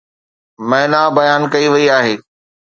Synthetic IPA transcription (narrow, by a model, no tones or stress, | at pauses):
mɐ̃ɦɪnabɐjaːnkɐiʋɐiaːɦeː